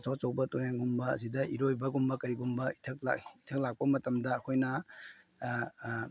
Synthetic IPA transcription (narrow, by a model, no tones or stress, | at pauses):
sat͡ʃɐwbɐtojaŋɡumbɐɐ̰sidɐʔiɾojbɐɡumbɐkɐɾiɡumbɐitʰɐk̚la̰itʰɐk̚lak̚pɐmɐtɐmdɐːkʰojnɐ